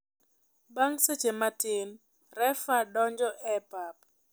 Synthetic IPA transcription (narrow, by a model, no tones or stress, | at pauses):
baŋset͡ʃematɪn | rɛfadɔɲd͡ʒɔʔɛpap